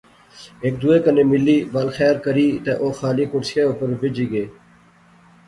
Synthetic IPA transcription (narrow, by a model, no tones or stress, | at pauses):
eːk̚d̪ueːkəneːmɪlːiːbaːlxɛːɾkəɾiːt̪eːʔoːxaːliːkʊɾsɪjaːʊpəɾʋɪd͡ʒiːɡeː